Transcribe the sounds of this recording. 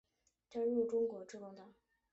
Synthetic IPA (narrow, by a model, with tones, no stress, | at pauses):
t͡ɕa˥˧ɻu˥˩ʈ͡ʂʊ˥ŋkwɔ˧˥ʈ͡ʂɻ̩˥˧kɔ˥˩ŋt̪a˥˩